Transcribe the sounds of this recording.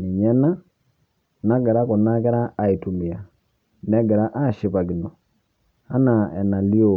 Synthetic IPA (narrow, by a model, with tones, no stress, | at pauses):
ni˨ɲɛ˦na˦ | na˦ɡɛ˨ɾa˦ko˨na˦kɛ˦ɾaː˦˨i˨tu˨mbi˨a˨ | nɛ˦ɡɛ˨ɾa˦ʔa˦˨ʃi˨pa˨ɡi˨nɔ˨ | a˦na˨ɛ˨na˨li˦o˦˨